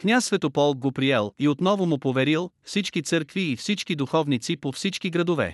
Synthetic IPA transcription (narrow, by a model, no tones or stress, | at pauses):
knʲassvɛt̪opɔlˠk̚ɡopɾiɛlˠiot̪nɔvomʊpovɛɾilˠfsit͡ʃkit̪sɤɾkviːfsit͡ʃkid̪uxɔvnit̪sipofsit͡ʃkiɡɾɐd̪ovɛ̰